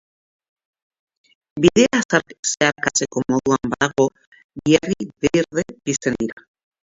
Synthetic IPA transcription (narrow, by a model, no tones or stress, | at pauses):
biðeasaɾseaɾkasekomoðuambaaɣo | βjeriðeɾðebisend̪iɾa